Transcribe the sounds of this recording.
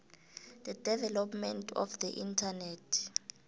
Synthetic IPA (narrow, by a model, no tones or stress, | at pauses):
d̪̥ədɛvɛlɔpmɛntʰɔ̰fd̪ɛʔintʰanɛtʰ